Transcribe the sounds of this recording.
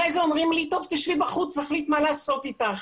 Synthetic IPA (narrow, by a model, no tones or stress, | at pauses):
ajzeomʁimlit̪ovt̪iʃvibaχut͡szaχlit̪malaːso̞tit̪aχ